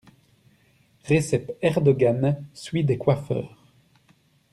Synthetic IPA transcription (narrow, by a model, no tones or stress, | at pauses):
ʁesɛpɛʁd̪ɔɡansɥid̪ekwafœ̰ːʁ